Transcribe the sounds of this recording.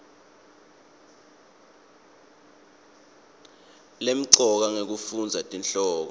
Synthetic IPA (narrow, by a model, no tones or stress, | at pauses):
lem̩ǀɔk̬aŋek̬ufund͡zʱatʼinɬɔːk̬ɔ